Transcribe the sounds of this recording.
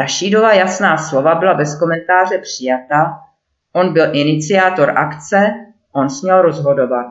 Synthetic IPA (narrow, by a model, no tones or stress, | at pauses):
aʃiːdovajasnaːslo̞vabɪlabɛsko̞mɛnt̪aːr̝ɛpr̥ɪjat̪a | ʔo̞nbɪlʔɪnɪt͡sɪaːt̪o̞ɾʔa̰kt͡sɛ | ʔo̞nsmɲɛlɾo̞zɦo̞do̞vat̪̚